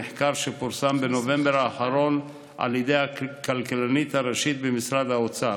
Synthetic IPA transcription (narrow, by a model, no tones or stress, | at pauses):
eħkaʁʃepuɾsambeno̞ve̞mbeɾaːχaɾo̞n | ʔa̰ljed̪ejhakalkalanit̪haʁeʃit̪̚bemisʁad̪aot͡sa